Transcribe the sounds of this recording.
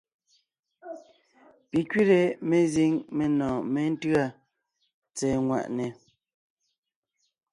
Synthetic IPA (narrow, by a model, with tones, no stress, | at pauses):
pi˨kɥi˦ɾe˨me˨zi˦ŋme˨nɔ̃ː˨me˦n̩˦tɰa˦˨ | t͡sɛː˨ŋwa̰˨ʔnɛ˨